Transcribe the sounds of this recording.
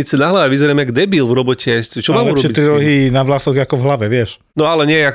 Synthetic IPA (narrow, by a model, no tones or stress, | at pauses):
it͡sɛnaɦlaʋɛʋizɛɾɛmɛɡd̪ɛbilvɾɔbɔcɛɛscɛt͡ʃɔmaːmuɾɔɛbit̪ɾiɾɔɦinaʋlasɔɣakɔvɦlaʋɛʋɪɛʃ | nɔalɛɲɪɛjɛak